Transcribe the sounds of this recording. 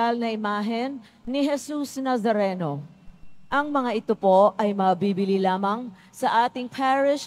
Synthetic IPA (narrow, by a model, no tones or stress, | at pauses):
ɐlnɐʔɪmaːɦɛnː | ɪɦɛsusnɐzɐɾɛːno̞ | ʔɐŋmɐŋaʔɪt̪opo̞ʔɐjmɐbibɪlilaːmɐŋ | sɐʔaːt̪ɪŋpʰɛːɹɪʃ